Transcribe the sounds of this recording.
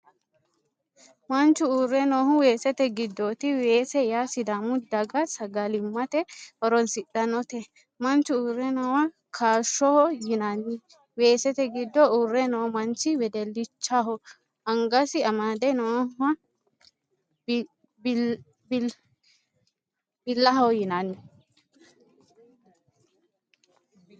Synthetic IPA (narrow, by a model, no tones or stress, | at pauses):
mɐnt͡ʃːʊuːrːɛnɔːhʊwe̞ːsɛt̪ɛɡɪd̪ːoːt̪ɪwe̞ːsɛjaːsɪd̪amʊd̪ɐɡɐsɐɡɐlɪmːɐt̪ɛhɔɾɔnsɪɗɐnɔt̪ɛ | mɐnt͡ʃːʊuːɾɛnɔwɐ | kʰaːʃːɔhɔjɪnɐnːɪ | weːsɛt̪ɛɡɪd̪ːɔurːɛnɐwɔmɐnt͡ʃːɪwɛd̪ɛlːɪt͡ʃːaɦɔ | ɐŋɡɐsɪɐmaːd̪ɛnɐwɐɐ | bɪlːɐɦɐɔjɪnanːɪ